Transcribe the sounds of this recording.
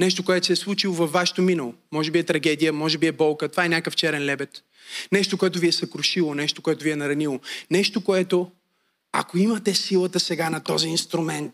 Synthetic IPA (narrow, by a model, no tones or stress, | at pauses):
nɛʃt̪okoɛt̪o̥sɛslˠut͡ʃilˠovɐfvːaʃɛ̥t̪ominɐlˠomɔʒɛbiɛt̪ɾɐɡɛd̪ijəmɔʒɛbiɛbɔlˠkət̪ovaɛnʲakəft͡ʃɛɾɛnlɛbɛt̪ | nɛʃt̪okoɛt̪̬ʊviɛsɐkɾoʃilˠonɛʃt̪okoɛt̪oviɛnɐɾɐnilˠonɛʃt̪okoɛt̪o | a̰koimɐt̪ɛsilˠət̪əsɛɡanɐt̪ɔziːnst̪ɾʊmɛnt̪̚